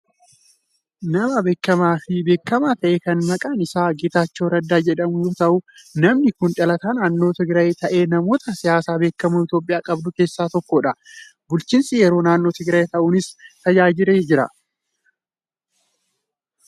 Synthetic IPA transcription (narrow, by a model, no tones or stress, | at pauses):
nɐmɐbe̞ːkːɐmaːfɪbe̞ːkːɐmaːt̪ɐʔeːkɐnmɐkʼaːnɪsaːɡɪt̪aːt͡ʃːo̞ːɾɐd̪ːaːd͡ʒɛᶑɐmʊjoːt̪ɐʔʊnɐmnɪkʊnᶑɐlɐt̪aːnaːnːo̞ːt̪ɪɡɾɐjet̪ɐʔe̞ːnɐmo̞ːt̪ɐsɪjaːsaːbe̞ːkːɐmuɪt̪jo̞ːpʼɪjaːkʼɐbd̪ʊke̞ːsːaːt̪ɔkːoᶑɐ | bʊlt͡ʃiːnsɪjɛɾo̞ːnaːnːo̞ːt̪ɪɡɾɐjet̪ɐʔuːnɪst̪ɐd͡ʒaːd͡ʒɪɾeːd͡ʒɪɾɐ̰